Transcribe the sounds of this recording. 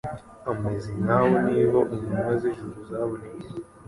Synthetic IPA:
amezinaβoniːβaʔumumazeʒuɾuzaβoneke

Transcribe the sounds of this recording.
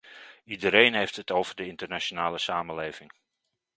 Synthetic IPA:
idəɾejnɦejftɦətowvəɹdəɪntərnat͡ʃonaːləsaːməlejvɪŋ

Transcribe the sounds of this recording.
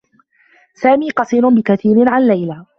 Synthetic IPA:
saːmiːqɑsˤiːɾʊnbɪkaθiːɾɪnʕanlajlaː

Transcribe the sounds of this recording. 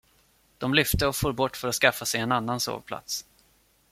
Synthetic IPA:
d̪̥ɔmlʏft̪əɔfuːɾbɔʈːfœɾat̪skafːasɛjɛnanːanso̰ːvpʰla̰t̪s

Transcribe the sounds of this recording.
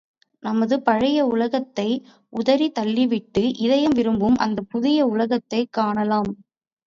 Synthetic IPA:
nɐmɐðɯpɐɻɐjɐʊlɐɣɐt̪ːɐɪ | ʔʊðɐɾit̪ɐlːɪʋɪʈːɯʔɪðɐjɯmʋɪɾɯmbɯmʔɐ̰nd̪ɐpʊðɪjɐʊlɐɣɐt̪ːɐɪkːaːɳɐlaːm

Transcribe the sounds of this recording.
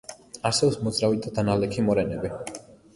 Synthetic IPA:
aɾsɛbsmɔd̪zɾavit̪ʰad̪analɛkʰimɔɾɛnɛbi

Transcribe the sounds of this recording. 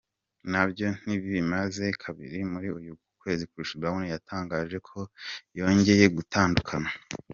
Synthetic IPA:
nabjo̞n̥iβiβimaze̞kʰaβḭɾimuɾiujuukwe̞ːzikuɾiʃiawunijataːŋɡaːʒe̞kʰo̞jo̞ːɲɟe̞je̞ɡutʰaːndukʰana

